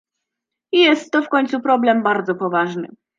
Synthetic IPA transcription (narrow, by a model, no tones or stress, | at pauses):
ijɛst̪ːɔfkɔɲt̪supɾɔblɛmbaɾd̪zɔpɔvaʐnɘ̰